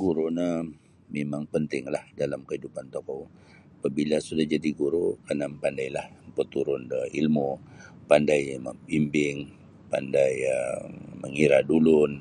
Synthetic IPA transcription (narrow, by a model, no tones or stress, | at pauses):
ɡuɾunə | memaŋpənt̪ɪŋlahdalamkəɦidupant̪okɔ | apabilasudahd͡ʒadiɡuɾukənampandajlahmpət̪uɾʊndəilmupandajməbimbɪŋ | pa̰ndajəməŋiɾadulʊn